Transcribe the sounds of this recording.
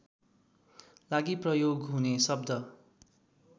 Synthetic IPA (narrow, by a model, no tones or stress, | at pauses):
laɡiprʌjoɡɦunesʌb̚d̪ʌ